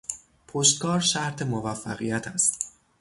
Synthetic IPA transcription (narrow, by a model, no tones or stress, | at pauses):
pʰoʃt̪̚kʰɒːɾʃæɾt̪ʰe̞movæfːæɣijæt̪ʰæst̪